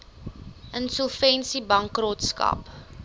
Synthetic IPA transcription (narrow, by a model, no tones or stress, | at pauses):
ʔənsəlfɛnsibɐŋkrotskɐ̰p